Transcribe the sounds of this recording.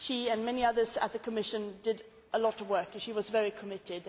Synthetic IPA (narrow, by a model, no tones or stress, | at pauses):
ʃiɨ̃nmɛniʌðə˞zə̰t̪̚ðɨkʰəmɪʃɨ̃ndɨɾ | ʔəlɔɾəvwɜ˞knʃiwʌzvɛɹikʰəmɪɾɪd̥